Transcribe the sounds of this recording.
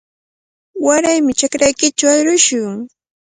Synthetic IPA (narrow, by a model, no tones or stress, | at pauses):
waɾajmɪt͡ʃakɾajkɪt͡ʃawaɾʊʃʊŋ